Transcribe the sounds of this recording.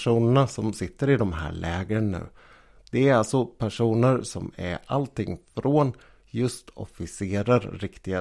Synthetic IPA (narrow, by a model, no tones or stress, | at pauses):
ʂuːnəɳasɔmsɪt̪ːəɾɪd̪ɔmɦæ̰ːɾɭɛːɡɾənːʉ̟ː | d̪̥ɛæɾalt̪sɔpʰæʂuːnəɾsɔmæ̰ɾalt̪ɪŋːfɾʔoːn | jɵst̪ɔ̰fɪseːɾəɾːɪkt̪ɪɡa